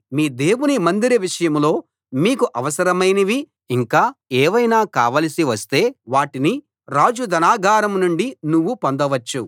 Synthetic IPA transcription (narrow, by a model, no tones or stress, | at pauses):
miːd̪e̞ːwunimɐnd̪iɾiʋiʂɐjɐmlo̞ː | miːkuʔɐʋɐsɐɾɐmɐjnɐʋi | iŋkaːeːʋɐjnaːka̰ːʋɐːlɐsiʋɐst̪e̞ːʋaːʈini | ɾaːd͡ʒud̪ɐnaːɡʱaːɾɐmnuɳɖinuʋːupond̪ɐʋɐt͡ʃːu